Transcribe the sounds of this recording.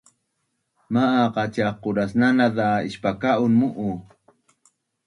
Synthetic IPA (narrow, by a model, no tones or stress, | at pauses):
maʔaqɑt͡ʃaqːʊɾasnanaðaɪ̰ʃpakaʔunmuʔu